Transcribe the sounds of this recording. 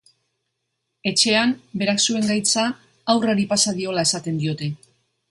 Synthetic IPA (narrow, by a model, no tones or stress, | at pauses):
e̞t͡ʃe̞ambe̞ɾaksue̞ŋɡajt͡saː | wraɾipasaðio̞lae̞sat̪e̞nd̪io̞t̪e̞